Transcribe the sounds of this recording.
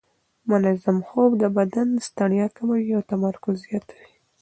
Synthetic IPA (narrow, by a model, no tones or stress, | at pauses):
mʊnazamxobd̪əbad̪anst̪aɳjɑkamawiawt̪amaɾkʊzijat̪awi